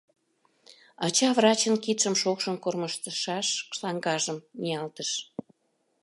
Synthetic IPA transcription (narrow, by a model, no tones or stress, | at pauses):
ɑt͡ɕɑvrɑt͡ɕənkit̪ʃəmʃokʃə̆nkorməʃt̪əʃɑʃlɑŋɡɑʒəmniɑlt̪əʃ